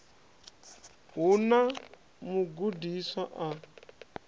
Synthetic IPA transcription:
ɦuna | muɡudisaʔa

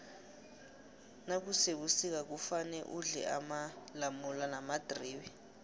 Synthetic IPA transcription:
nak̬useɓusik̬ak̬ufanɛʔuɮɛ̰ʔamalamulanamad̥riːwɛ

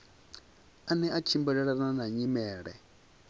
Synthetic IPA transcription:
anɛat͡ʃʰimbɛɺɛɺaananaɲimɛːɺɛ̰

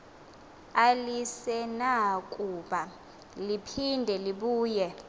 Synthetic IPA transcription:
alisɛnakʼuɓa | lipʰindʱɛliɓuːjɛ

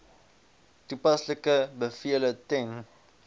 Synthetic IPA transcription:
tupasləkəbəfiələtɛŋ

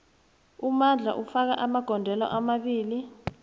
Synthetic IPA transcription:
umand͡ɮʱa̰ʔufak̬a̰ʔamaɡ̥ʱɔndʱɛlɔ̰ʔamaɓiːli

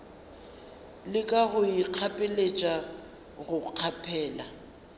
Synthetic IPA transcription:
lɪkʼaɣʊiq͡χʰapʼɪlet͡ʃʼa | ɣʊq͡χʰapʰɛːla

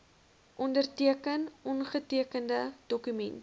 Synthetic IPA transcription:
ʔɔndərtiəkənɔnχətiəkəndəd̥ɔkymɛnt

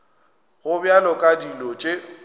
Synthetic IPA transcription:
ɣʊbjalɔkʼadilɔt͡ʃʼe

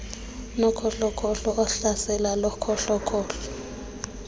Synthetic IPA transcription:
nɔkʰɔɬɔkʰɔɬɔɔɬasɛlalɔkʰɔɬɔkʰɔːɬɔ

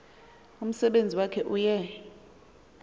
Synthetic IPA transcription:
um̩sɛɓend͡zʱiwakʰɛʔujɛ

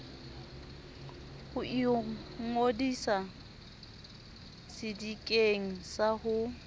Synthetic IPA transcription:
hʊʔiŋodisa | sɪdikʼeŋ̩sahʊ

